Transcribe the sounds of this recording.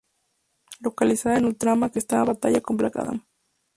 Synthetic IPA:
lokalisaðenult̪ɾamakest̪aβat̪aʎakompla̰ka̰ða̰m

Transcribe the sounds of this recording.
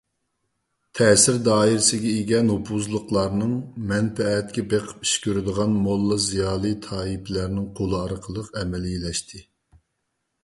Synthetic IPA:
t̪ʰɛːsɪɾd̪ɑːiɾɪsɪɡʲɛiɡʲɛnopʰuzlˠəqlˠɑɾnɨŋmɛnfɛɛt̪̚kʲɛbeqʰə̥pi̥ʃkʲøɾɪd̪əʁɑnmolˠːɑzijɑːlˠɨt̪ʰɑːipʰlæɾnɪŋqʰolˠɨɑɾqʰəlˠəqɛmɛlɪilɛʃt̪ʰɪ

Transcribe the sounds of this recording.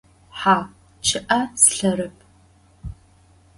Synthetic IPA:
ħaː | t͡ʃʰɨʔɐsɬɐɾɨpʰʼ

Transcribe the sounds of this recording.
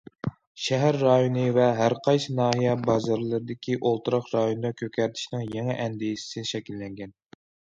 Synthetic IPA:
ʃɛɦæɾːɑjonɨvɛɦæɾqʰɑjsɨnɑːɦijɛbɑzɑɾlˠɨɾɨd̪ɪkʲʰiʔolˠt̪ɨɾɑqɾɑjond̪ɑkʲʰøkʲʰæɾt̪ʰɪ̥ʃnɪŋjeŋɛʔɛnd̪ɪjsɪ̥sɪʃɛkʲilːɛŋɡʲɛn

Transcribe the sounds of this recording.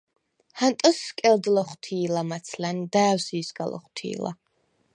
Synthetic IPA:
hant̪ʼɔskʼɛld̪lɔχt̪ʰiːlamat̪sʰland̪aːwsiːsɡa̰lˠɔ̰χt̪ʰḭːla̰

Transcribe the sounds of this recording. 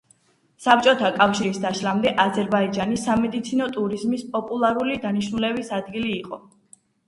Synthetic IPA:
sap̚t͡ʃʼɔt̪ʰakʼafʃiɾisd̪aʃlamd̪ɛʔazɛɾbaid͡ʒanisːamɛd̪it̪sʰinɔt̪ʼuɾizmispʼɔpʼulˠaɾulid̪aniʃnulɛbisad̪ɡiliːqʼɔ

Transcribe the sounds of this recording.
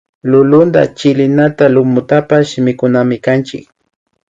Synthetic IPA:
lʊlʊnd̪a̰t͡ʃɪlɪnat̪alʊmʊt̪apaʃɪmɪkʊnamɪkant͡ʃɪ̰k̚

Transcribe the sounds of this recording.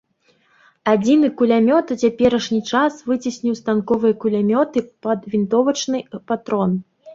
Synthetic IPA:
ad͡zʲinɨkulʲamʲɔt̪ut͡sʲapʲɛɾɐʂnʲit͡ʂasvɨt͡sʲisʲnʲiwst̪ankɔvɨjɐkulʲamʲɔt̪ɨpɐd̪vʲint̪ɔvɐt͡ʂnɨpat̪ɾɔn

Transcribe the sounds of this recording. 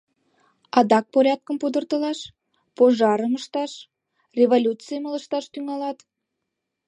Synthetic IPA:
ɑd̪ɑk̚poɾʲɑt̪̚kəmpud̪ə̆rt̪ə̆lɑʃ | poʒɑɾəməʃt̪ɑʃ | rʲevolʲut͡sɨjəmələʃt̪ɑʃt̪yŋɑlɑt̪

